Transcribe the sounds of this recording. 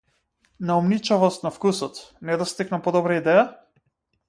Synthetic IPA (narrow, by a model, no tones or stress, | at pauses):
naumnit͡ʃavɔst̪nafkusɔt̪nɛd̪ast̪iknapɔd̪ɔbɾaid̪ɛja